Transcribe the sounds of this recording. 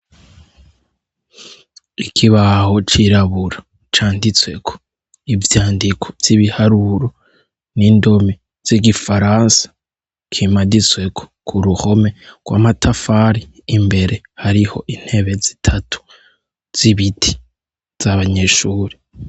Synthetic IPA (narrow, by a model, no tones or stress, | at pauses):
ikʰiβaho̞t͡ʃiɾaβuɾa | t͡ʃaːndit͡swe̞̰kʰo̥ | ivjaːndikʰo̥vjiβihaɾuɾo | nindo̞mi | z̥iɡifaɾaːnsḁ | kʰimadit͡swe̞kʰo̥kʰuɾuho̞me̞ɡ̥wa̰matʰafaɾiːmbe̞ɾe̞ | haɾiho̞̰ʔin̥he̞βe̞zi̥tʰatʰu̥ | z̥iβitʰi̥ | z̥aβaɲe̞ʃuːɾi